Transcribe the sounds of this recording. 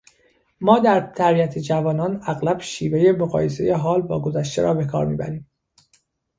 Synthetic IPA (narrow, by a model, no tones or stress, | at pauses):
mɒːd̪æɾt̪ʰæɾbiæt̪ʰed͡ʒævɒːnɒːnæɣlæb̥ʃiːveje̞moɣɒ̰ːje̞se̞̰je̞ɦɒːlbɒ̰ːɡo̞zæʃt̪e̞̰ɾɒːbe̞kʰɒ̰ːɾmḭːbæ̰ɾiːm